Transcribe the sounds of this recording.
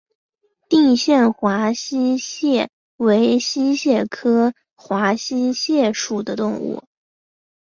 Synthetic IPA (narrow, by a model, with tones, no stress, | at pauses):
t̪i˥˧ŋɕjɛ˥˩nxwa˧˥ɕi˥ɕjɛ˥˩ | we˧˥ɪɕi˥ɕjɛ˥˩kʰɤ˥ | xwa˧˥ɕi˥ɕjɛ˥˩ʂu˨˩d̪ə˦t̪ʊ˥˧ŋṵ˥˩